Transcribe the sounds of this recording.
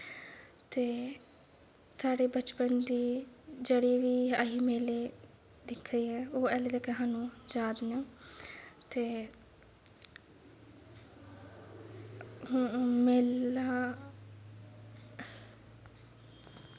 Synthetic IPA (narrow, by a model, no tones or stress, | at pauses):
t̪eː | saːɽeːbət͡ʃpənd̪iːd͡ʒəɽeːʋiːəɦiːmeːleː | d̪ɪkʰːɾiːɦɛːoːɛːled̪ekːeɦãːnũːd͡ʒaːd̪naː | t̪eː | meːlaː